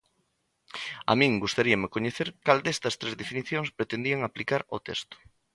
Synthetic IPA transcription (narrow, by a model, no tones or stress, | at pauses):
a̰mĩŋɡust̪aɾiɐmekoɲeθeɾkald̪ɛst̪ɐst̪ɾezðefiniθjoŋspɾet̪end̪iaŋaplikaɾo̰t̪ḛst̪ʊ̥